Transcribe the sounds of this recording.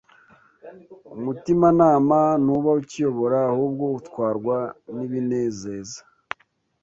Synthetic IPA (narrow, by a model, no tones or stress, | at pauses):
umutimanaːmanuβaucijo̞βo̞ɾaːhuːb̚ɡo̞utwaːɾɡwaniβine̞ːzeːzḁ